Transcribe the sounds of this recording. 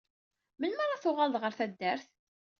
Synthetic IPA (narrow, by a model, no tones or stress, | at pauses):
mənməɾˤaθʊʁald̪ʁəɾθæd̪ːæɾθ